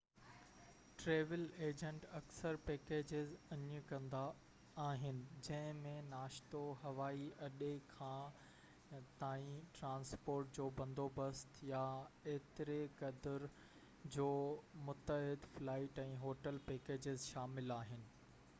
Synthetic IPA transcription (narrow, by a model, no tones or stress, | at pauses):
ʈɾeːʋɪleːd͡ʑə̃ɳʈɐksəɾpeːkeːd͡ʑɪzɐɲə̃kɐ̃nd̪aː | ɦɪnɪ̆d͡ʑɐ̃ɦɪ̃mẽnaːʃt̪oɦɐʋaːiʔɐɗekʰãː | t̪aːĩʈɾãːnspoːɾʈ̚d͡ʑoːbɐ̃nd̪ʱobɐst̪jaeːt̪ɪɾekɐd̪əɾ | d͡ʑoːmʊt̪əɦɪd̪flaːɪʈɛ̃ːɦoːʈəlpeːkeːd͡ʑɪzʃaːmɪlaːɦɪnɪ̆